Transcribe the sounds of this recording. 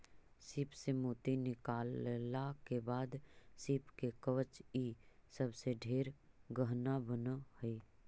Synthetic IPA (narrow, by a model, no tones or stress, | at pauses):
siːpsemoːt̪inɪkaːlakebaːd̪sipkekəʋət͡ʃiːsəbseɖʱeːɾɡəɦnabənəhəi